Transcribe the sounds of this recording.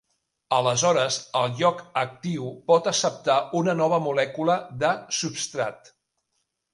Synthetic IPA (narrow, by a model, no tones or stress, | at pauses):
ələzɔɾəzəlˠʎɔkək̚t̪iwpɔt̪əsəp̚t̪aunənɔβ̞əmulɛkuləðəsupst̪ɾa̰t̪